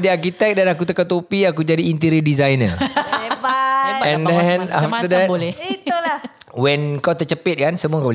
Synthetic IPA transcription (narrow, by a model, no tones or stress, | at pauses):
diarkit̪ɛk̚danakut̪əkat̪opiak̬ud͡ʒadiːnt̪iɾədizajnə̰ | ɛndɛnaft̪ədɛtolɛit̪ulawɛnkawt̪ərt͡ʃəpɪt̪̚kansəmuakabol